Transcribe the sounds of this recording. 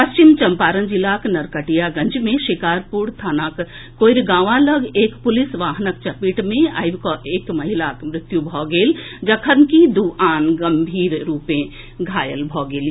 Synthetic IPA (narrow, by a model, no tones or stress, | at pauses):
pɐst͡ʃɪmt͡ʃɐmpaːɾə̃nd͡ʒilaːknɐɾkəʈijaɡɐ̃ɲd͡ʒmẽʃɪkaːɾpuːɽt̪ʰaːnaːkː | oːɾɡãːʋãlɐɡeːkpʊlɪsʋaːɦnək̚t͡ʃɐpiʈmẽa̰ːjʋkoʔeːkmɐɦɪlaːkmɾɪt̪jubʱɔːɡeːld͡ʒɐkʰəɾnkid̪uːʔaːnɡɐmbʱiːɾɾuːpẽ | ɡʱaːjəlbʱɔːɡeːl